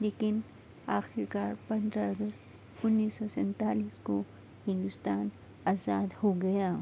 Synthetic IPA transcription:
leːkɪn | aːxɪɾkaːɾpɐ̃nd̪ɾaɐɡəst̪ | ʊnːiːsːɔsɛ̃nt̪aːliːsko | hɪ̃nd̪ʊst̪aːn | aːzaːd̪hoɡɐjaː

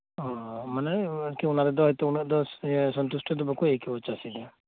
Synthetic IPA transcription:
ɦɔmanɛkiunaɾɛd̪ɔɦɔjt̪ɛunad̪ɔsɔnt̪usʈʰɔd̪ɔbakuekibɔt͡ʃasid̪a

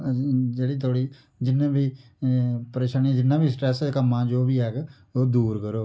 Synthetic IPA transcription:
d͡ʒeːɽiːt̪ʰoːɽiː | d͡ʒɪnãːbiː | pəɾeːʃaːnĩd͡ʒɪnãːbiːsʈɾɛːsekəmãːd͡ʒoːʋiːɦɛːɡ | oːd̪uːɾkəɾoː

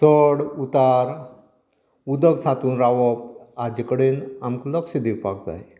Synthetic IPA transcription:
səɽut̪aɾ | ud̪əɡsʰat̪uːnɾaʋəp̚ad͡ʑikəɽenamkləkɕid̪iwpak̚d͡za̰ɦe

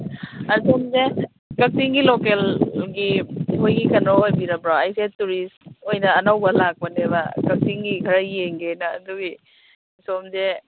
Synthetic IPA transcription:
ɐsomze | kɐk̚siŋɡilokelɡiɦojɡikɐnɾɔojbiɾɐbɾaajsetːuɾistojnɐːnawbɐlak̚pɐneβɐkɐk̚siŋɡikʰɐɾɐjeŋɡenɐ̰ːd̪uɡi | somze

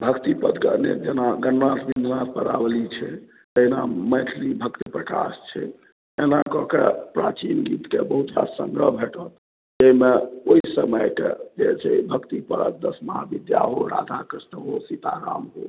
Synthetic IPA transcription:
bʱəkt̪ipəd̪ɡənḛd͡ʒenaɡənnat̪bind̪ʱnat̪̚pəɾa̰blit͡ʃʰɛ | t̪einamət̪ʰlibʱək̚t̪ipɾəka̰st͡ʃʰɛ̰ | enakɔkepɾat͡ʃinɡit̪kebəɦut̪ɾasəŋɡɾəɦbʱeʈət̪ | d͡ʒeimeoisəməjkḛd͡ʒet͡ʃʰɛibʱəkt̪ipəɾə̰k̚d̪əsmaabid̪ja̰ɦoɾad̪ʱakɾist̪əɦosit̪aɾa̰mɦo̰

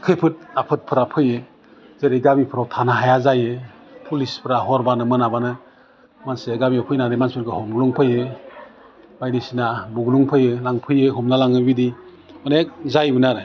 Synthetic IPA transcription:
kʰɯjpʰɯt̚apʰɯt̚pʰɯɾapʰɯjɯ | zeɾeɡamipʰɯɾawtʰanaɦajazajɯ | pʰulispʰɯɾaɦɔɾbanɯmɯnabanɯ | manseɡamiɔpʰɯjnaɾɯmansuɾkɯhɔmɡluŋpʰɯjɯ | bajdisinabuɡluŋpʰɯjɯlaŋpʰɯjɯɦɔmnalaŋɯbidi | manek̚zajbɯnaɾɯ

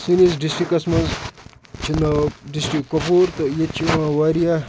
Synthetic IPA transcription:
sinizɖisʈikːɐsmɐnz | t͡ʃʰind̪ɐɖisʈɾikːopuːɾt̪ojet͡ʃʰiʋãːʋaːɾija

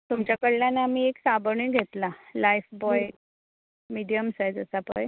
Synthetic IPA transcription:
t̪umt͡ɕjakəɽːjanaamiːeksabəɳĩɡʱet̪lalajfbɔjj | miɽijəmsajd͡zəsapə̰j

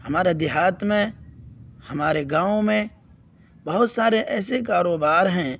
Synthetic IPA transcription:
hɐmaːɾed̪ɪɦaːt̪mẽ | hɐmaːɾeɡãːõmẽ | bɐɦʊt̪saːɾeʔɛːsekaːɾoːbaːɾɦɛ̃ː

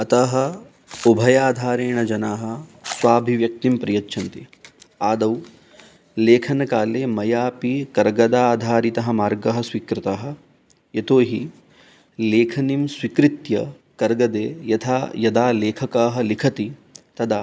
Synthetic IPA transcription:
ɐt̪ɐɦɐ̆ | ubʱɐjaːd̪ʱaːɾeːɳɐd͡ʒɐnaːɦɐ̆swaːbʱiʋjɐk̚t̪impɾijɐtːʃʰɐnt̪iaːd̪ɐw | leːkʰɐnɐkaːleːmɐjaːpikɐɾɡɐd̪aːd̪ʱaːɾit̪ɐɦɐ̆maːɾɡɐɦɐ̆sʋikɾɪt̪aːɦɐ̆ | jɐt̪oːɦi | leːkʰɐnimsʋikɾit̪jɐ | kɐɾɡɐd̪eːjɐt̪ʰaːjɐd̪aːleːkʰɐkaːɦɐ̆likʰɐt̪it̪ɐd̪aː

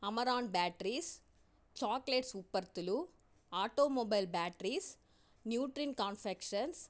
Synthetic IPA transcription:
ɐmɐɾaːnbaːʈɾis | t͡ʃaːkleʈsʊpːɐɾt̪ɯlu | aːʈːoːmobɐɪlbaːʈɾis | njuːʈɾinkɐːnfɛkʂɐns

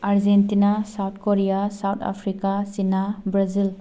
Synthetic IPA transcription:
aɾd͡ʒentinasawt̚ʰkoɾijasawtʰa̰pʰɾikasinabɾazil

